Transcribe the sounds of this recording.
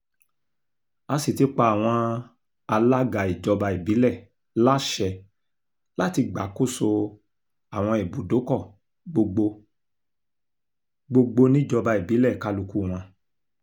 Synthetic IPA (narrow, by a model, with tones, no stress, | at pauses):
a˧si˦˨ti˧˦k͡pa˧˨a˨w̃ɔ̃˧ | a˧la˦ɡa˨i˨d͡ʒɔ˧ba˧i˨bi˨˦lɛ˦˨ | la˦ʃɛ˧ | la˦ti˧ɡ͡ba˨˦ko˦˨so˧ | a˨w̃ɔ̃˧e˨bu˨˦do˨˦kɔ˦˨ | ɡ͡bo˧ɡ͡bo˧ | ɡ͡bo˧ɡ͡bo˧nĩ˦˨d͡ʒɔ˧ba˧i˨bi˨˦lɛ˦˨ka˦lu˧ku˦˨w̃ɔ̃˧